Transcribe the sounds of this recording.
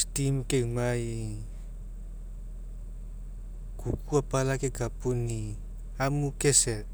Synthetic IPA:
stimkeumaj | kukuapalakeɡapuni | amukese

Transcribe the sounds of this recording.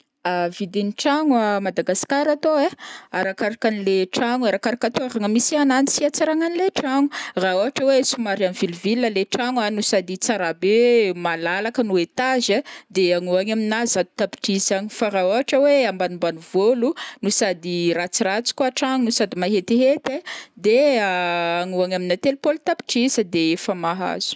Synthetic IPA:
avid̪iniʈ͡ʂaŋwamad̪aɡaskaɾat̪oeaɾakaɾakanileʈ͡ʂaŋuaɾakaɾakat̪oaɾaŋəmisiananisiat͡saɾaŋanileʈ͡ʂaŋuraoɦaʈ͡ʂəwesumaɾianvilivilːəleʈ͡ʂaŋanusad̪it͡saɾabemalalakənuet̪azəd̪eaŋuaŋaminazad̪u̥t̪api̥ʈ͡ʂizaɲifaɾaoɦaʈ͡ʂəweambanumbanuvolunusad̪irat͡sirat͡si̥kuaʈ͡ʂaŋunusad̪imaɦet̪iɦet̪ed̪e | aŋuaŋaminat̪elupolt̪api̥ʈ͡ʂizəd̪eefamaɦa̰z̥u̥

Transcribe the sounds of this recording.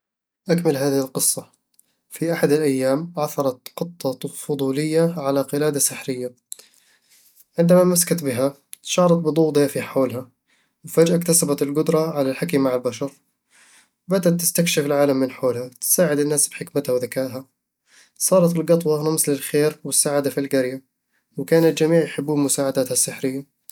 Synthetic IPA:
ʔakmalɦaːðɪhɪlqɨsˤːɑ | fiʔaħad̪ɪlʔajːaːmʕaθɑɾˤɑt̪qɨt̪ˤːɑfʊd̪ˤuːlɪjːaʕalaqɨlaːd̪asɪħɾɪjːa | ʕɪnd̪amamaskat̪bɪɦa | t̪ʃɑːɾˤɑt̪̚bɨd̪ˤuːd̪ˤjafiħoːlha | wɪfad͡ʒʔakt̪asabat̪ɪlɡʊd̪ɾˤɑʕalalħakimaʕalbaʃɑɾˤ | wbad̪at̪ːɪ̥st̪akʃɪfɪlʕaːlamːɪnħoːlhat̪ɪ̥saːʕɪd̪ɪnːaːsbħɪkmɪt̪hawðakaːʔɦa | sˤɑːɾˤɑt̪ɪlɡɑt̪ˤwɑɾamslɪlxeːɾwɪsːaːʕad̪afilɡaɾja | wɪkaːnat̪d͡ʒamiːʕjħɪbːuːmʊsaːʕad̪aːt̪hasːɪħɾɪjːa

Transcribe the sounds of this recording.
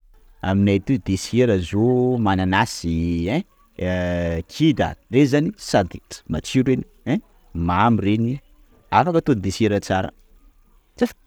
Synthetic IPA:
a̰minat̪ud̪eseɾəzomananasiɛ̃ | kʰid̪a̰rezanisad̪it̪mat͡ʃiɾeni̥ | ɛ̃ | mamireni | afakət̪onid̪eseɾət͡saɾə̰ | t͡saf

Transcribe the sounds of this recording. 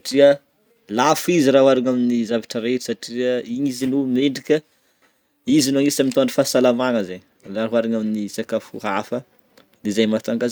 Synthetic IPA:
saʈ͡ʂiə | lafiziɾawaɾaɲaminizavaʈ͡ʂəɾeʈ͡ʂi̥saʈ͡ʂiəiɲizinumeɳɖ͡ʐikʲə | izinuaŋisamit̪aɳɖ͡ʐəfasalamaŋəzeɲ | laɦaɾaɲaminisakafṵɦafə | lizajmat̪aŋɡaz

